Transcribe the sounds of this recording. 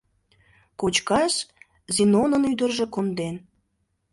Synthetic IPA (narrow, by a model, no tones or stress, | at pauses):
kot͡ɕkɑʃ | zinonənyd̪ərʒe̽kond̪en